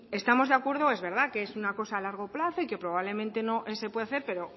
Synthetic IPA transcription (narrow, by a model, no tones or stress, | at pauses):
e̞st̪amo̞zðeakwe̞ɾð̞oe̞zβe̞ɾð̞akeesunako̞saːlaɾɣ̞o̞plaθo̞ike̞pɾo̞βaβle̞mẽnt̪e̞no̞ʔese̞pwe̞ðaθe̞ɾpe̞ɾo̞